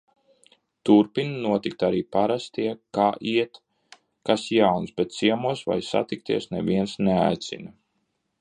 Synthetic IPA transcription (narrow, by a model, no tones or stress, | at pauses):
t̪uɾpinnuɔt̪ik̚t̪aɾiːpaɾast̪iɛkaːʔiɛt̪ | kasjawnsbɛt̪siɛmuɔsva̰jsa̰t̪ik̚t̪ḭɛsnɛ̰viɛnsnea̰jt̪sḭna